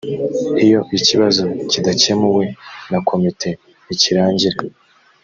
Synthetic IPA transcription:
ijo̞ʔiciβazocidace̞muwe̞nakʰo̞mitʰe̞ | iciɾaːɲɟiɾe

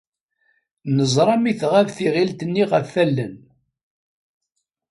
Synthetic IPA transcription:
nəzˤɾˤɑmiθʁævθiʁilt̪ənːiʁəfːælːən

